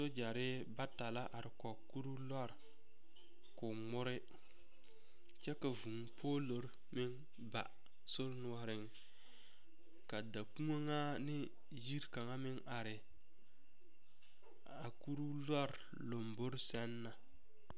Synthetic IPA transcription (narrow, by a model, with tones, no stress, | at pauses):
so˦d͡ʒa˨ɾɪ˦ | ba˦ta˨la˦ʔa˨ɾɪ˨kɔ˨ku˦ɾu˦la˦ɾ | kʊ˨ŋ͡mʊ˦ɾɪ˦ | t͡ʃɛ˦ka˨vu˨ŋpʰoː˦lo˦ɾ | mɪ˦ŋ | ba̰˨ | so˦ɾnʊ˦ɔ˦ɾɪ˦ŋ | ka˨da˨ku˦ŋo˦ŋa˦nɪ˦ | ji˦ɾka˨ŋa˦mɪ˦ŋa˨ɾɪ˨ | a˨ku˦ɾu˦la˦ɾ | lo˨mbo˦ɾsɛ˦nːa˨